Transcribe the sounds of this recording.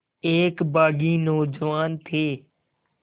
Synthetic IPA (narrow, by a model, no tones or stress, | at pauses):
eːkbaːɡiːnoːd͡ʒəʋaːnt̪ʰeː